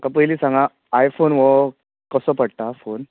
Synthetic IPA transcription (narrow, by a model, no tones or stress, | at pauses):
kãp̬əjliːsãŋɡãː | jfonʋɔ | kəsɔpəɽʈ̪afon